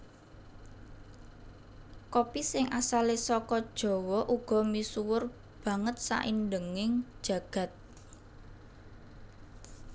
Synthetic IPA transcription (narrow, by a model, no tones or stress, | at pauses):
kopisɪŋʔasalesɔkɔd̥ʒ̥ɔ̤wɔʔuɡ̥ɔ̤misuwʊr | b̥ä̤ŋət̪̚sa̰ʔindəŋɪŋ̥ʒ̥ä̤ɡ̥ä̤t̪̚